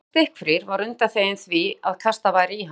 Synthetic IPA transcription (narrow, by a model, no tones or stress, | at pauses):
t̪ɪhkfɾɪɾvaɾʏnt̪aθeːjɪnθviaðkʰast̪avaːjɾiɦ